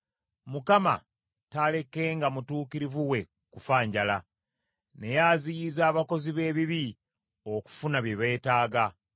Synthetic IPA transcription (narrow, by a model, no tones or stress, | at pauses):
mukama̰ | tale̞ke̞ːŋɡamutuːkiɾivuwe̞ | kufaːɲɟala | ne̞jaːzijizaːβako̞ziβe̞ːβiβi | o̞ku̥funaβjeβe̞ːtaːɡa